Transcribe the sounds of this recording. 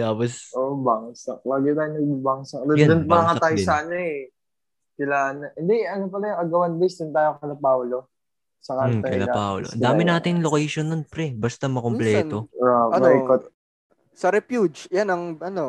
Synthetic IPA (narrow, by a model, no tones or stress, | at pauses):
t̪aːposʔoʔbaŋsɐk̚laːɡɪt̪aːjonɐɡ̚baŋsɐkd̪ɐjad̪ʊnpɐɐŋɐt̪ajsaɐnɐɛ | kɪlaːnɐhɪnd̪ɛɐnop̬ɐlajʊŋʔɐɡɐwɐnd̪ɪsd̪ʊnt̪aːjoŋkɐlɐpaːwlo | sɐkaɐkɐlɐapaːwloʔɐ̰nd̪aːmɪnaːt̪ɪŋlokɛjʃonːonpɾɛbɐst̪ɐmɐkomplɛːo̞oɐmajkot̪̚ | sɐɾɛpjud͡ʒjanɐŋʔɐno